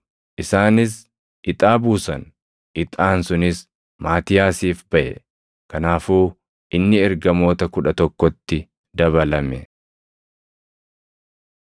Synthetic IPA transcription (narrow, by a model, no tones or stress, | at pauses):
ʔɪsaːnɪs̬ | ɪt̪ʼaːbuːsɐn | ʔɪt̪ʼaːnsʊnɪs | maːt̪ɪjaːsiːfb̥ɐʔɛ̰ | kɐnaːfuː | ʔɪnːɪɛɾɡɐmo̞ːt̪ɐkʊᶑɐt̪ɔkːɔt̪ːɪ | d̪ɐβɐlɐmɛ